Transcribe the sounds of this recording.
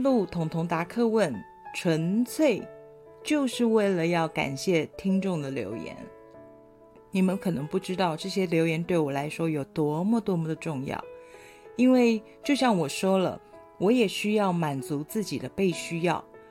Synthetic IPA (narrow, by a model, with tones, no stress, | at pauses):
lu˥˩t̪ʰʊ˧˥ŋt̪ʰʊ˧˥ŋt̪a˧˥kʰɤ˥˧wə˥˩n | ʈ͡ʂʰwə˧˥nt͡sʰwe˥˩ɪ | t͡ɕjo˥˧ʊʂɻ̩˥˧we˥˩ɪlə˩jɑ˥˩ʊka̰˨˩nɕjɛ˥˩t̪ʰi˥ŋʈ͡ʂʊ˥˩ŋd̪ə˩ljo̰˧˥ʊjɛ̰˧˥˦n | ni˨˩mə˦nkʰɤ˨˩nɤ˧˦˥ŋpu˥˩ʈ͡ʂɻ̩˥t̪ɑ˥˧ʊʈ͡ʂɤ˥˩ɕjɛ˥ljo˧˥ʊjɛ˧nt̪we˥˩ɪwɔ˨˩la˧˥ɪʂwɔ˥jo˨˩ʊt̪wɔ˥mə˨t̪wɔ˥mə˨d̪ə˩ʈ͡ʂʊ˥˧ŋjɑ̰˥˩ʊ | i˥nwe˥˩ɪt͡ɕjo˥˧ʊɕjɑ˥˩ŋwɔ˨˩ʂwɔ˥lə̰˨ | wɔ˧˥jɛ˨˩ɕy˥jɑ˥˩ʊma˨˩nt͡su˧˥t͡sɹ̩˥˩t͡ɕi˨˩d̪ə˦pe˥˩ɪɕy˥jɑ̰˥˩ʊ